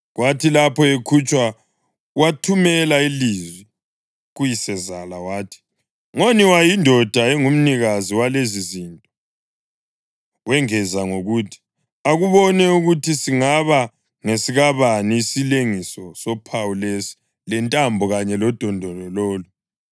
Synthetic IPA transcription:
ɣwatʰilapʰɔekʰut͡ʃʼwa | watʰumɛlailizwi | ɣujisɛzalawaːtʰi̥ | ŋoniwajindʱɔd̥ʱaeŋum̩niɣaziwalezizintʼɔ | wɛŋɛzaŋoɣutʰi̥ | aɣuβɔnɛuɣutʰisiŋaβa | ŋesiɣaβaniːsileŋisɔsɔpʰawulesi̥ | lɛntʼambʱɔɣaɲɛlɔd̥ʱɔndʱɔlɔloːlu

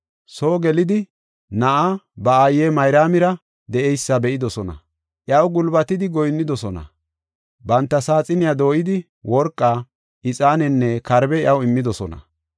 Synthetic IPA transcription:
soːɡɛlɪd̪ɪ | nɐʔabɐaːjeːmɐjɾaːmɪɾɐ | d̪ɛʔɛjsːɐbɛʔɪd̪ɔsɔnɐ̰ | ʔjɐwɡʊlbɐt̪ɪd̪ɪɡɔjnːɪd̪ɔsɔnɐ̰ | bɐnt̪ːɐsaːt͡sʼɪnɪjad̪o̞ːʔɪd̪ɪ | wɔɾkʼːaː | ʔɪt͡sʼaːnɛnːɛkɐɾbɛjɐwɪmːɪd̪ɔsɔnɐ̰

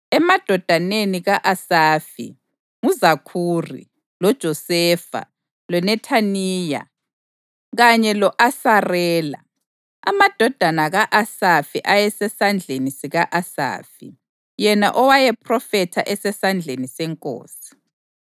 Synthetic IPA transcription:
ɛmad̥ʱɔd̥ʱaneniɣaʔasaːfḭ | ŋuzakʰuːrḭ | lɔd̥ʒ̥ʱɔsɛːfa̰ | lɔnɛtʰaniːja̰ | ɣaɲɛlɔʔasarɛːla̰ | a̰mad̥ʱɔd̥ʱanaɣaʔasafiʔajɛsɛsand͡ɮʱenisiɣaʔasa̰ːfḭ | jɛna̰ʔɔwajɛpʰrɔfɛtʰaʔɛsɛsand͡ɮʱenisɛŋkʼo̰ːsi̥

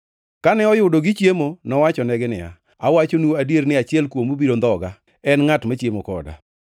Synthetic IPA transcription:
kanɛɔjʊdoɡɪt͡ʃjemonɔwat͡ʃɔnɛɡɪnɪ̰a̰ | awat͡ʃonuoadjeɾnɪat͡ʃɪɛlkwomubiɾond̪ɔɡa | ɛnŋatmat͡ʃjemokɔ̰da̰

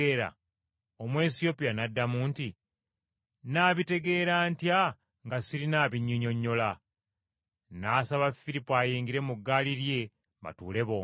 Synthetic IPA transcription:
eːɾa̰ | o̞mwe̞ːsio̞pijanadːamuːnti | naːβite̞ɡe̞ːɾaːntja | ŋɡasiɾinaːβiɲːoɲo̞ɲːo̞la | naːsaβafiɾipoaːjiːŋɡiɾe̞muɡːaːliɾje̞ | mba̰tuːle̞βo

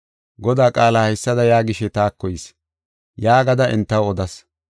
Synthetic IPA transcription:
ɡɔd̪aːkʼaːlaːhɛsːɐd̪ɐjaːɡɪʃɛt̪aːkːɔjɪs | jaːɡɐd̪ɐʔɛ̰nt̪ːɐwɔd̪ɐs

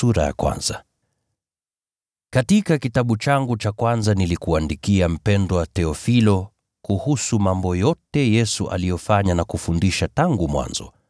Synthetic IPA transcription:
uɾa̰ja̰kwa̰nz̥a | katikakitaɓut͡ʃaŋɡut͡ʃakwanzanilikuandikiam̩pɛndɔwatɛɔfilɔ | kuhusumambɔjɔtɛjɛsuʔa̰lijɔfaɲanakufundiʃataŋɡumwa̰nzɔ̰

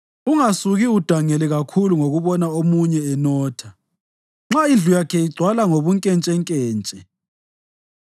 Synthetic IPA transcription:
uŋasuɣiud̥ʱaŋɛlɛɣakʰuluŋoɣuβɔnaomuɲɛɛnɔːtʰa | ŋ͡ǁaind͡ɮʱujakʰɛiɡ͡ǀʱwalaŋoβuŋkʼɛnt͡ʃʼɛŋkʼɛːnt͡ʃʼɛ

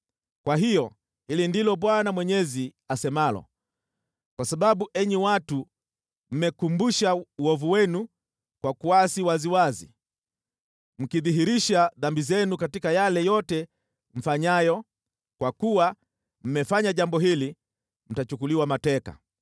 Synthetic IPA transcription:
kwaɦijɔ | hilindilɔɓwanamwɛɲɛziasɛmalɔ̰ | kwasaɓaɓuʔɛɲiwatu | m̩mɛkumbuʃauɔvuwɛnu | kwakuasiwaziwazḭ | m̩kiðiɦiɾiʃaðambizɛnukatikajalɛjɔtɛ | m̩faɲajɔ | kwakuwa | m̩mɛfaɲaʄambɔɦili | m̩tat͡ʃukuliwamatɛka̰

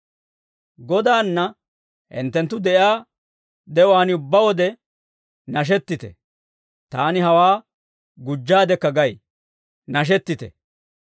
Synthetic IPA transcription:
ɡɔd̪aːnːɐ | hɪ̰nt̪ːɛnt̪ːʊd̪ɛjaː | d̪ɛwaːnɪʊbːɐwɔd̪ɛ | nɐʃ̬ɛt̪ːɪt̪ɛ̰ | t̪aːnɪɦɐwaː | ɡʊd͡ʒːaːd̪ɛkːɐɡɐj | nɐʃ̬ɛt̪ːɪt̪ɛ̰

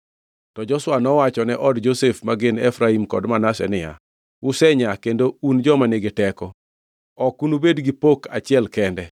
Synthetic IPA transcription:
tɔd͡ʒɔswanɔwat͡ʃɔnɛʔɔdd͡ʒosefmaɡɪnɛfɾaimkɔ̰dmanasɛ̰nɪja̰ | wʊsɛɲakendound͡ʒɔmaneɡɪtɛkɔ | ɔkunubedɡipokʰat͡ʃɪɛlkɛndɛ

